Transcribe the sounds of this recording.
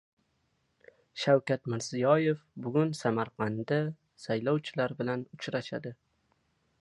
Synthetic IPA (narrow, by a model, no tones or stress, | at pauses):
ʃawkʲat̪mɪɾzɪjɒje̞fbʊɡʲʊnsamaɾqʰɑnd̪a | sajlɒwt͡ʃʰɪlaɾbɪlanʊt͡ʃɾaʃa̰d̪ɪ